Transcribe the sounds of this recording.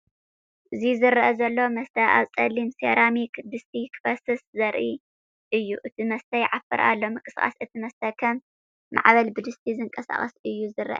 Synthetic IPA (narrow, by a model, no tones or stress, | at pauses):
ʔɨzizɨɾɐʔɐzɐlːo̞mɐst̪ʰɐʔa̰βt͡sʼɐlimsḛɾamikd̪ɨst̪ʰikʰbɐsɨszɐɾʔi | ʔɨjːuʔɨt̪ʰimɐst̪ʰɐjʕafɨɾʔa̰lːo̞mɨkʼɨsχʼa̰sɨt̪ʰimɐst̪ʰɐkʰɐmː | a̰ʕβɐlbɨd̪ɨst̪ʰizɨŋkʼɐsa̰χʼɐsɨjːuzɨrɐʔɐ̰